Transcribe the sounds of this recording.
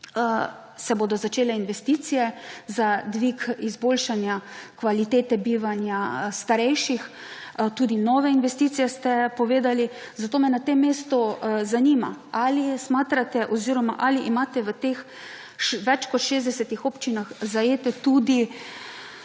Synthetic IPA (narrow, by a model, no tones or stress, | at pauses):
sɛboːd̪ɔzat͡ʃeːlɛinʋɛst̪iːt̪sijɛzad̪ʋikizboːlʃanjakʋalit̪eːt̪ɛbiːʋanjast̪aɾɛjʃix | t̪uːd̪inɔːʋɛinʋɛst̪iːt̪sijɛst̪ɛpɔʋeːd̪ali | zat̪oːmɛnat̪emːeːst̪ɔzaniːma̰alismaːt̪ɾat̪ɛʔɔziːɾɔma̰ʔaliʔimaːt̪ɛʋət̪ex | ʋɛt͡ʃkɔt̪ʃeːzd̪ɛsɛt̪ixopt͡ʃinaxzajeːt̪ɛt̪ud̪i